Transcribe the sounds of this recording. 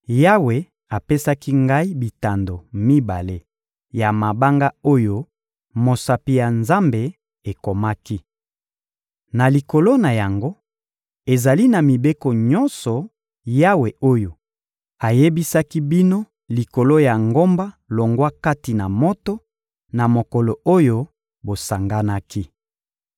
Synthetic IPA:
ja˦we˨ | a˨pe˦sa˦ki˦ŋɡa˦i˦bi˨ta˨ndo˨mi˦ba˨le˦ | ja˨ma˨ba˦ŋɡa˦o˦jo˦ | mo˨sa˨pi˨ja˨nza˦mbe˨ | e˨ko˨ma˦ki˦ | na˨li˨ko˨lo˦na˨ja˨ŋɡo˦ | e˨za˨li˦na˨mi˨be˦ko˨ɲɔ̃˦nsɔ˨ | ja˦we˨o˦jo˨ | a˨je˦bi˦sa˦ki˦bi˦no˦ | li˨ko˨lo˦ja˨ŋɡo˦mba˦lo˨ŋɡwa˦ka˦ti˨na˨mo˦to˦ | na˨mo˨kɔ˨lo˨o˦jo˦ | bo˨sa˨ŋɡa˦na˦ki˦

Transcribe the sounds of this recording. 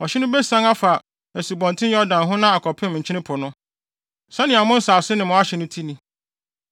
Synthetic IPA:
ɔ˨ɕɪ˦nʊ̃˦be˦sã˦ŋa˦fa˨ | ɛ˨si˨bɔ̃˨ntʰɪ̃˦ɛ˦ɔ˦dã˨nɦʊ̃˦nã˦a˨kʰɔ˨pʰɪ̃˦m˨ɲ̩˨t͡ɕʰɪ˦ɪ̃˦pʰʊ˨nʊ̃˦ | sã˦nɪ̃˨a˨mʊ̃˦n̩˦saː˨sɪ˦nɪ̃˨mʊ̃˨˦a˦ɕɛ˨nʊ̃˦tʰi˦nĩ˨

